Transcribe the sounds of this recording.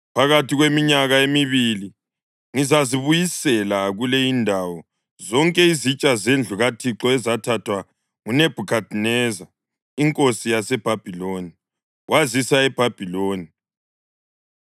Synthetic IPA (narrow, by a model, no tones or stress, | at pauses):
pʰaɣatʰiɣwemiɲaɣaemiβili | ŋizaziβujisɛlaɣulɛindʱawɔ | zɔŋkʼɛizit͡ʃʼazend͡ɮʱuɣatʰiǁɔɛzatʰatʰwa | ŋuneb̥ʱukʰad̥ʱnɛza | iŋkʼosijasɛb̥ʱab̥ʱiloni | wazisaɛb̥ʱab̥ʱiloːni